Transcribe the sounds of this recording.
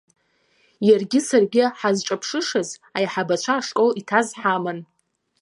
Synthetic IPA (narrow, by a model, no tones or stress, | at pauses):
jarɡʲɪsarɡʲɪħazʈ͡ʂʷʼapʰʂɨʂazajħabat͡ɕʷʰaːʂkʼolitʰazħaman